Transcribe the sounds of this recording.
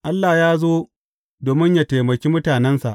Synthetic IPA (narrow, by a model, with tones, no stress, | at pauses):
ʔa˦lːa˨jaː˦zoː˦ | doː˨mɪ˦ɲja˦teː˨mɐ˨kʲiː˦mʊ˦taː˨nɛ˦nsa̰˨ʔ